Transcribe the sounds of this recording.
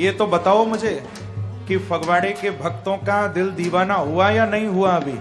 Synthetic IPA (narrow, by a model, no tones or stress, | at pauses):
jet̪obət̪aoməd͡ʒʱe | kifʰəɡʋaɽekebʱək̚t̪õkad̪ɪld̪iʋanaɦuajanəɦĩɦuaəbi